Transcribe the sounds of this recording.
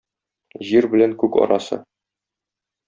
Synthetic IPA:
ʑiɾbɘ̆læŋkʉkɒ̰ɾɑ̰sɤ̰

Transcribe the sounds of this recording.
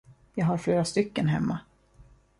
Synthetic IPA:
jɑːɡhaɾfleːɾast̪ʏkːənɦɛmːa

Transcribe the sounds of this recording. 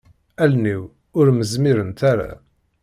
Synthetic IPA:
ælniw | ʊɾməzmiɾənt̪aɾa̰

